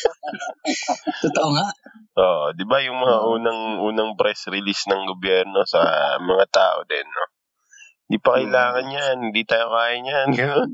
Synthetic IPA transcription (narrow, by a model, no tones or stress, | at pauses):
t̪ot̪oʔoŋaʔoːʔd̪ɪbajʊŋmɐŋaʔuːnɐŋʔuːnɐŋpɾɛsɾɪlisnɐŋɡobjɛɾno̞sɐ̰mɐŋat̪a̰ːʔo̞̰d̪ɛnːo | hhɪnd̪iːpɐkɐjlaːŋɐnjanhɪnd̪iːt̪aːjokaːjɪɲjanɡɐno̞n